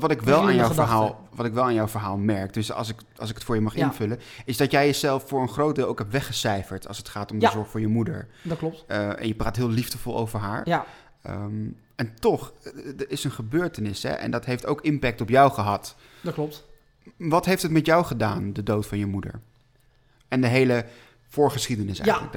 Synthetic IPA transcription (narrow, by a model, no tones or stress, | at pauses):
ʋɑtɪkʋɛlˠaːnjawəɹɦaːlˠ | ʋɑtɪkʋɛlˠaːnjɔwvəɹɦaːlˠmɛɹk̚d̥ɵsɑ̰sɪk | ɑ̰lˠsɪkətfʊːɹjəmɑχɪnvɵlənɪzdɑtjɛjəzɛlˠffʊːɹənχrowtdɪːlˠowkɦɛptʋɛχəsɛjfəɹtɑ̰lˠsətχaːtɔmdəzɔɹχə̥vʊːɹjəmudə̰ɹdklɔp̚tɛ̰njəpraːtɦɪːlˠivdəvɔlˠo̰wvəɹɦaːɹ | əm | ɛntɔχdəɪsənχəbøːɹtənɪsɦɛ̰ʔɛ̰ndɑtɦejftowkɪmpɛk̚tɔpjawχəɦɑt | dklɔp̚ | ʋɑtɦejftɦətmɛtjawχədaːndədowtfɑnjəmudə̰ɹ | ɛndəɦejlə | fʊːɹχəsχidənɪsɛ̰jələk